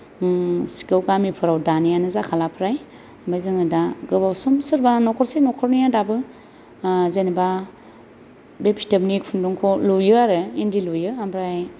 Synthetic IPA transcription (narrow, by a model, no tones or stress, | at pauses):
si̥kɯwɡamipʰɯɾawdanijanɯzakʰalapʰɾaj | ambajzɯŋɯdaɡɯbawsumsɯɾbanɔkʰɔɾsenɔkʰɔɾnijadabɯ | zenba | bepi̥tabnikpʰunduŋkʰɔlujɯaɾɯendilujɯambɾaj